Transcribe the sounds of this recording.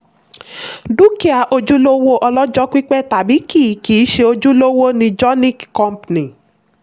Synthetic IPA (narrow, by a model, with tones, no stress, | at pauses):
du˦ki˦a˨ʔo˧d͡ʒu˦lo˦wo˦ʔɔ˧lɔ˦d͡ʒɔ˦kʷi˦k͡pɛ˦˨ta˨bi˨˦ki˦˨˦ki˨˦ʃe˧o˧d͡ʒu˦lo˦wo˦nĩ˧d͡ʒɔ˦nĩ˦kkɔ̃˦mpnĩ˨